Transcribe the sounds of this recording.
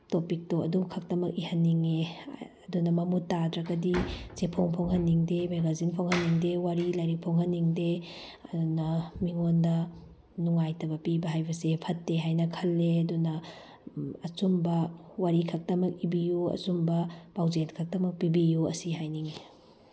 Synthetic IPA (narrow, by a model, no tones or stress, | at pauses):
topik̚toɐ̰dukʰɐk̚tɐmɐkihɐnːiŋeɐdunɐmɐmutːadɾɐɡɐdit͡ʃepʰoŋpʰoŋhɐnːiŋdemeɡazinpʰoŋhɐnːiŋdewaɾilajɾik̚pʰoŋhɐnːiŋde | ɐdunɐmiŋondɐ | nuŋajtɐbɐpibɐɦajbɐsepʰɐtːeɦajnɐkʰɐlːeɐdunɐ | ɐt͡ʃumbɐwaɾikʰɐk̚tɐmɐk̚ibijuɐ̰sumbɐpawzentkʰɐk̚tɐmɐk̚pibijuɐ̰siɦajniŋe